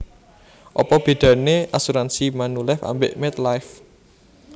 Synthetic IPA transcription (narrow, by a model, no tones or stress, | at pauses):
ʔɔpɔb̥e̤d̪̥ä̤neʔasuɾansimanulɛfa̰mbeʔmɛt̪lajf